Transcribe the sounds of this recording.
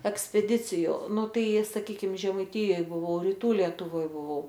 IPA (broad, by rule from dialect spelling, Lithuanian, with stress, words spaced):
ɛksʲpʲɛˈdʲɪt͡sʲɪjʊ ˈnʊ ˈtɐɪ sɐˈkʲiːkʲɪm ʒʲɛmɐɪˈtʲɪjoːj bʊˈʋɐʊ rʲɪˈtuː lʲiɛtʊˈʋoːj bʊˈʋɐʊ